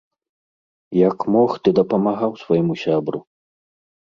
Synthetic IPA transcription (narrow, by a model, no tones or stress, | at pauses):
jɐkmɔxt̪ɨd̪ɐpɐmaɣawsvajmusʲabɾṵ